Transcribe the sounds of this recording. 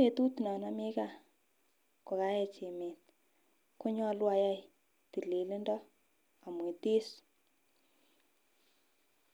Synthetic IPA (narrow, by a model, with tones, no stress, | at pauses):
e˨tu˦tnɔ˨na˦mi˦ka˦ | ko˨ka˦ɛ˨t͡ʃe˨me˨t̚ | kʊ˦ɲɔ˦lwa˧ja˦j | ti˨le˨li˦ndɔ˦ | a˨mwe˨ti˦s